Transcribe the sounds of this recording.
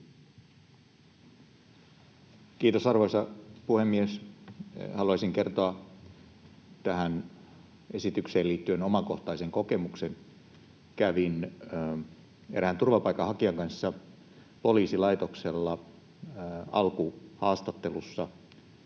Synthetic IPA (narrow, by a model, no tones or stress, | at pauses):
kiːt̪osɑrʋoisɑpuhemːies | hɑluɑsiŋke̞rt̪oɑ | t̪æɦæn | esit̪ykseːliːt̪ːyenomɑko̞ht̪ɑjseŋko̞ke̞muksen | kæʋin | eɾæhænt̪urʋɑpɑikːˑɑhɑkiɑŋkɑnsːɑ | po̞liːsilɑjt̪okselːɑ | ɑ̰lkuhɑːst̪ɑt̪ːe̞lusːɑ